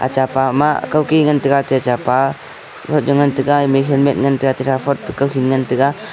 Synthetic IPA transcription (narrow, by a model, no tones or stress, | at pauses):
a̰t͡ʃapama̰kawkiŋɐntɯɡatiat͡ʃapa | pʰɔt̚d͡ʒɔŋantɯɡameɦelmet̚ŋɐntɯɡatiɾapʰɔt̚pikawɦinŋɐntɯɡa